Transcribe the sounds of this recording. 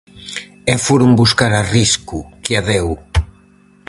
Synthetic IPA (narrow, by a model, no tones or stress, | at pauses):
ɛfoɾumbuskaɾariskukɪaðɛw